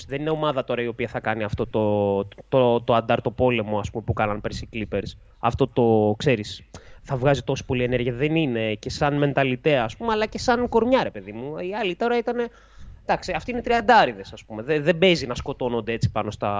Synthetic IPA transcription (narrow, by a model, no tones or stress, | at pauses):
ðe̞nine̞o̞mɐðɐt̪o̞ɾɐio̞piɐθɐkɐniɐft̪o̞t̪ot̪ot̪o̞ɐnd̪ɐɾt̪o̞po̞le̞mo̞ɐspume̞pukɐnɐnpeɾsiklipe̞ɾs | ɐ̰ft̪o̞t̪o̞kse̞ɾisθɐvɣɐzit̪o̞si̥po̞lie̞neɾʝiɐðe̞nine̞ce̞sɐnme̞nt̪ɐlit̪e̞ɐːspumeɐlɐce̞sɐnko̞ɾmɲɐɾe̞pe̞ðimuiɐlit̪oɾɐit̪ɐne̞ | d̪ɐksiɐft̪iinet̪ɾiɐnd̪ɐɾiðe̞sɐspumeðeðe̞be̞zinɐsko̞t̪o̞no̞nd̪ee̞t͡si̥pɐno̞st̪ɐ